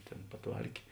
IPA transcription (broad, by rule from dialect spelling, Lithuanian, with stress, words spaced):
ˈtʲeːn pɐˈtʋɐrʲkʲeː